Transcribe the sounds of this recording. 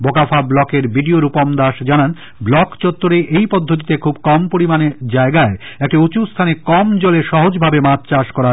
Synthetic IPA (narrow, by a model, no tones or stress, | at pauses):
bokafʰablɔkeɾbiɖioɾupomd̪aʃd͡ʑanan | blɔkt͡ɕot̪ːoɾeʔejpod̪ʱːot̪̬it̪ekʰubkɔmpoɾimaned͡ʑaeɡaeɛk̚ʈeut͡ɕust̪ʰanekɔmd͡ʑoleʃɔɦod͡ʑbʱabemãtt͡ɕaʃkɔɾa